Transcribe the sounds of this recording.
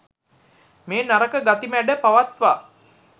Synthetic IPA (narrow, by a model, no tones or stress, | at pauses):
meːnaɾəkəɡat̪imæɖəpaʋat̪ʋa